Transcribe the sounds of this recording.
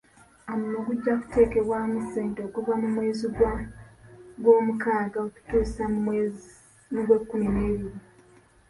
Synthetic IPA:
amunoɡuɟːaku̥te̞ːke̞βwaːmuseːndo̞ːkuvamumwe̞ːziɡwa | ɡwo̞ːmukaːɡaoku̥tuːsa | noɡwe̞kːumine̞ːβiɾi

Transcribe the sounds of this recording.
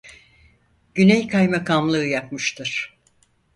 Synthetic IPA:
ɟ̥ynejkʰajmakʰamlˠɯːjapmɯʃt̪ʰɯɾ̥

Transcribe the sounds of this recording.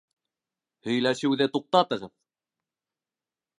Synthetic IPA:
hɵ̆jlæʃɘwðɘt̪uq̚t̪ɑt̪ɤ̆ʁɤð

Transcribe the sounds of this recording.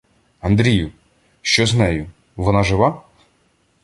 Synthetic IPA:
ɐnd̪ɾʲijʊ | ʃt͡ʃɔznɛjʊ | ʋɔnɑʒɪʋɑ

